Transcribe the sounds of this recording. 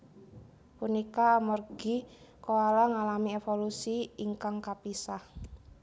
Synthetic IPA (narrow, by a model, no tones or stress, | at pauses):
punikaːmɔrɡ̥i | koalaŋalamiefolusiiŋkaŋkapisah